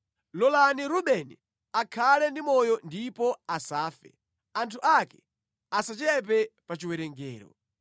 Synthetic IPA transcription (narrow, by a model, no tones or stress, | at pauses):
lɔlaniɾuɓɛnḭ | akʰalɛndimɔjɔndipɔasaːfɛ̰ | antʰuʔakɛ̥ | asat͡ʃɛp̬ɛpat͡ʃiwɛɾɛŋɡɛːɾɔ̰